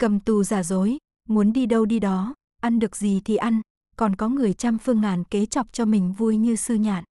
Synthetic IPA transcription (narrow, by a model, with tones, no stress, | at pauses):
kə˨˩mt̪u˨˩zaː˧˩zo˨˦j | mu˨˦ənɗi˧ɗə˧wɗi˧ɗɔ˨˦ | ʔa˧nɗɨ˨˩ək̚zi˨˩t̪ʰi˨˩ʔa˧jŋ̟ | kɔ˨˩nkɔ˨˦ŋɨ˨˩əjt͡ɕa˧mfɨ˧əŋlaː˧˩nke˨˦t͡ɕɔ˨˩wp̚t͡ɕɔ˧mï˨˩ŋ̟vu˧jɲɨ˧sɨ˧ɲa̰ː˧˩˨n